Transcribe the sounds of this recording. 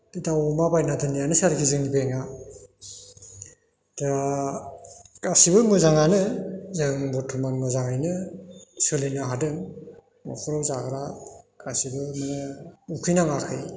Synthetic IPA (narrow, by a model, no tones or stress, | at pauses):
ditawɔmabajnadɯnijanɯsaɾkʰizɯŋnibeŋa | da | kasibɯmɯzaŋanɯzɯŋbɔtʰumanmɯzaŋajnɯsɯlinɯɦadɯŋ | mɔ̰kʰɔɾɔwzaɡɾakasibɯmɯnɯukʰɯjnaŋakʰɯj